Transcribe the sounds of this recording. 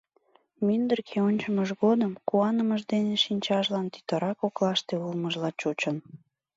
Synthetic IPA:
mynd̪ərkʰeonʲt͡ɕəməʒɣod̪əmkuɑnəməʒd̪eneʃinʲt͡ɕɑʒlɑnt̪y̥t̪əɾɑkoklɑʃt̪eulməʒlɑt͡ɕot͡ɕən

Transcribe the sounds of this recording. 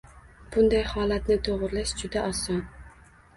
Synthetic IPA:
b̥ʊnd̪ajhɒlat̪nɪt̪ʰoʁɾlaʃd͡ʒʊd̪aʔɒsɒn

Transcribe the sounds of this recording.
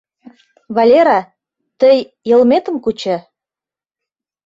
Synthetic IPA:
βɑlʲeɾɑ | t̪əjː | ə̆lmet̪ə̆mkut͡ɕĕ

